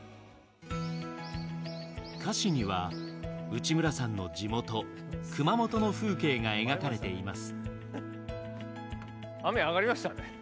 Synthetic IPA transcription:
kʰaɕiɲ̟iβa̰ | ɯ̟t͡ɕimɯ̟ɾasãnːo̞d͡ʑimo̞t̪o̞kʰɯ̟mamo̞t̪o̞no̞ɸɯ̟ːke̞ːŋae̞ɡakaɾe̞t̪e̞imasɨ̥ | ameaɣaɾʲimaɕt̪ane

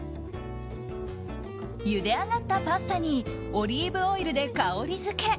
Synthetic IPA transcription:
jɯ̟d̪e̞aɡat̪ːapasɨ̥t̪aɲ̟i | o̞ɾʲiːbɯ̟oiɾɯ̟d̪e̞kaoɾʲizɨke̞

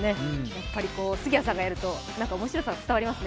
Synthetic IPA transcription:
ne̞japːaɾʲiko̞ːsɨɡʲiasãŋɡajaɾɯ̟t̪o̞nãŋkaomo̞ɕiɾo̞saɡat͡sɨ̥t̪aβaɾʲimasɨne

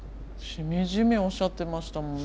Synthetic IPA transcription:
ɕimʲiʑimʲio̞ɕat̪ːe̞maɕi̥t̪amõn

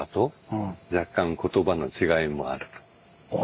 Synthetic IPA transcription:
at̪o̞ | d͡ʑakːãŋko̞t̪o̞bano̞t͡ɕiɡaimo̞̰a̰ɾɯ̟

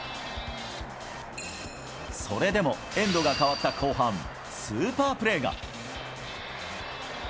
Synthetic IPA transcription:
so̞ɾe̞d̪e̞mo̞ | ẽ̞nd̪o̞ɡakaβat̪ːakʰo̞ːɦãɴ̃ | sɨːpaːpɯ̟ɾe̞ːɡa̰

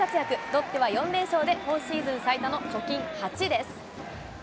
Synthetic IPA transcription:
at͡sɨjakɯ̟d̪o̞t̪ːeβajõ̞nd̪e̞ɰ̃ɕo̞ːd̪e̞hõɰ̃ɕiːzɨ̃ɰ̃sait̪ono̞t͡ɕo̞kʲĩŋhat͡ɕid̪e̞sɨ̥

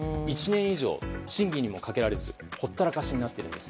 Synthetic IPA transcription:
it͡ɕinẽ̞ɰ̃iʑo̞̰ːɕĩŋɡʲiɲ̟imo̞kake̞ɾaɾe̞zɨ̰ | ho̞t̪ːaɾakaɕiɲ̟inat̪ːe̞ɾɯ̟̃nd̪e̞sɨ̥

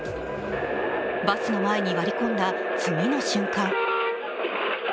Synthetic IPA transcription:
basɨno̞mae̞ɲ̟iβaɾʲikõ̞nd̪a | t͡sɨmino̞ɕɨ̃ŋkãŋ

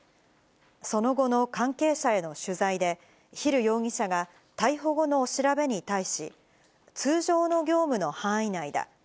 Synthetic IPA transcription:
so̞no̞ɡo̞no̞kãŋke̞ːɕae̞no̞ɕɨzaid̪e̞ | çiɾɯ̟jo̞ːŋʲĩɕaɡa | t̪aiɦo̞ɡo̞no̞ːɕiɾabe̞ɲ̟it̪aiɕi | t͡sɨːʑo̞ːno̞ɡʲo̞ːmɯ̟no̞hãɰ̃inaid̪a̰

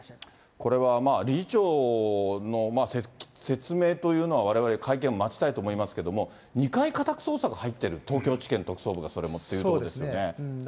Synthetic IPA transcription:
ko̞ɾe̞βamaːɾʲit͡ɕo̞ː | no̞masese̞t͡sɨme̞ːt̪o̞jɯ̟ːno̞β̞aβ̞aɾe̞βaɾekʰaikẽ̞ɰ̃omat͡ɕi̥t̪ait̪oːmoimasɨ̥ke̞d̪o̞mo̞ | ɲ̟ikaikat̪akɯ̥so̞ːsaɡahait̪ːe̞ɾɯ̟t̪o̞ːkʲo̞ːt͡ɕi̥kẽ̞nt̪o̞kɯ̟̥so̞ːbɯ̟ɡaso̞ɾe̞mo̞t̪ːeiɯtood̪esɨjo̞ne̞

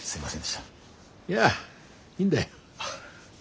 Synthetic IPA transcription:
sɨimasẽnd̪eʃt̪a | jæ | ĩnd̪a

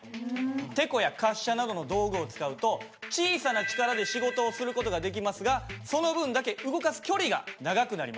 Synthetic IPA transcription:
t̪e̞ko̞jakaɕːanad̪o̞no̞d̪o̞ːɡɯ̟o̞t͡sɨ̥kaɯ̟t̪o̞ | t͡ɕiːsanat͡ɕi̥kaɾad̪e̞ɕiɡo̞t̪o̞ːsɨɾɯ̟ko̞t̪o̞ɡad̪e̞k̬ʲimasɨɡaso̞no̞bɯ̟̃nd̪ake̞ʔɯ̟ɡo̞kasɨ̥kʲo̞ɾʲiɡanaɡakɯ̟naɾimḁ

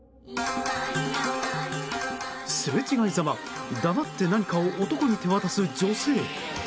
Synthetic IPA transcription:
sɨbe̞t͡ɕiɡaizama | d̪amat̪ːe̞naɲ̟ikaoʔːt̪o̞ko̞ɲ̟it̪e̞βat̪asɨd͡ʑo̞se̞ː

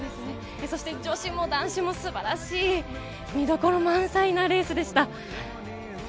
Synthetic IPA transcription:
d̪esɨne | so̞ɕi̥t̪e̞d͡ʑo̞ːɕĩmːo̞d̪ãɰ̃ɕimo̞sɨbaɾaɕiː | mʲid̪o̞ko̞ɾomãɰ̃sainaɾe̞ːsɨd̪e̞ɕi̥t̪a

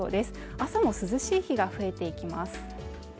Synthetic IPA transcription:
o̰ːd̪e̞sɨ̥ | asamo̞sɨzɨɕiːçiɡaɸɯ̟e̞t̪e̞ikʲimasɨ̥

